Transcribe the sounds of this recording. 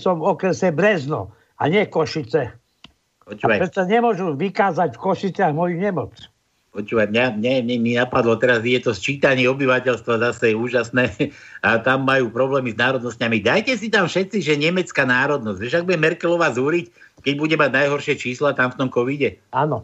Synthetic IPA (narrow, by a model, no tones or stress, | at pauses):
sɔmɔkɾɛsɛbɾɛznɔ̰ | a̰ɲɪɛkɔʃit͡sɛ | pɔt͡ʃuːajɾɛsaɲɛmʊɔʒuʋikaːzacfkɔʃit͡sɪaɣmɔjuɲɛmɔt͡s | pɔt͡ʃuːʋajmɲamɲɛmɛminapad̪lɔt̪ɛɾaziɟɛt̪ɔst͡ʃiːt̪aɲiɔbiʋacɛlst̪ʋazasɛjɛuːʒasnɛːat̪amːajuːpɾɔblɛːmiznaːɾɔd̪nɔscamid̪ajcɛsit̪amfʃɛt̪t͡siʒɛɲɛmɛt͡skaːnaːɾɔd̪̚nɔzɟʋɛʃaɡ̚buɟɛmɛɾkɛlɔʋazuɾic | kɛɟbuɟɛmaɟnajɦɔɾʃɪɛt͡ʃiːslat̪amft̪ɔmkɔʋiɟɛanɔ